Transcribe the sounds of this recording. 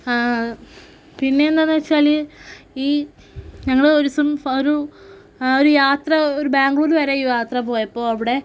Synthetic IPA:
a | pinːe̞nd̪enːɐʋɐt͡ɕːaːliiː | ɲɐŋːɐɭɽeoɾusumoɾu | oɾujaːt̪rɐoɾubaːŋɡuɭoːluʋɐɾeijaːt̪rɐpo̞ːjɐpːo̞ːɐʋiɽe̞

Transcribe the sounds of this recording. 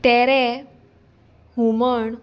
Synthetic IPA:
t̪ɛɾɛ | huməɳ

